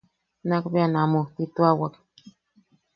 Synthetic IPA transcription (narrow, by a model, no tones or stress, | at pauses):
nakbeanamot̪it̪uawak